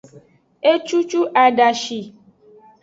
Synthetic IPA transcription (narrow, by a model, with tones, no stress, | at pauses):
e˦t͡ʃu˦t͡ʃu˦ʔa˨ɖa˨ʃi˨